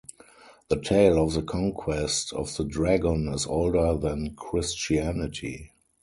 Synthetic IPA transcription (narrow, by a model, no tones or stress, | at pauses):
ðətʰeɪlɔfðəkʰɔ̃ŋkʰwɛstʰɔ̰fðədɹæɡɔ̃nɪzo̰ʊldə˞ðæ̃nkʰɹɪst͡ʃiænɪtʰḭ